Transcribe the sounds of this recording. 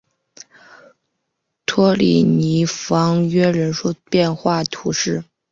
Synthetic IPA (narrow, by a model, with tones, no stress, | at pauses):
t̪ʰwɔ˥lḭ˨˩ni˧˥fɑ˧˥ŋɥɛ˥ɻə˧˥nʂu˥˧pjɛ˥˧nxwa˥˩t̪ʰu˧˥ʂɻ̩˥˩